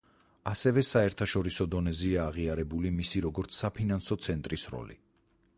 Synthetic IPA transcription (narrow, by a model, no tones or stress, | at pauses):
asɛvɛsaɛɾt̪ʰaʃɔɾisɔd̪ɔnɛziaːʁiaɾɛbulimisiɾɔɡɔɾt̪sʰsapʰinansɔt̪sʰɛnt̪ʼɾisɾɔ̰lḭ